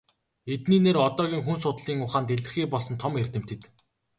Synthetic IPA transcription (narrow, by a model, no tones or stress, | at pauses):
et̪niːneːɾɔt̪ɔːɣʲiːŋxunsʊt̪ɮiːŋʊχaːnt̪eɮɘ̆xiːpɔɮsɞ̆nt̪ʰɔmerʲt̪ɘ̆m̥t̪ʰĕt̪